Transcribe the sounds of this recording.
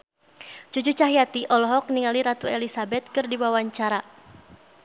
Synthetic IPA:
t͡ʃud͡ʒut͡ʃaɦiat̪iʔɔlɔɦɔk̚niŋaliɾat̪uɛlisabɛt̪̚kɨrdiwawaɲt͡ʃaɾa

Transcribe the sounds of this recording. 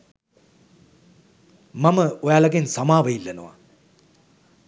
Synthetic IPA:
maməojaːlaɡensamaːʋəilːɐnəʋa̰

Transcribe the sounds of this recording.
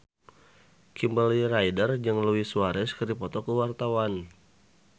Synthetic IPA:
kʰimbalirajdərd͡ʒəŋləwisuaɾɛskərdipɔt̪ɔkəwart̪awan

